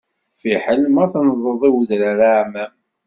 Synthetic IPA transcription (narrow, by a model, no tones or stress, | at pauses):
fiħəlmæθnəðˤəðˤiwəðɾaɾaʕmæm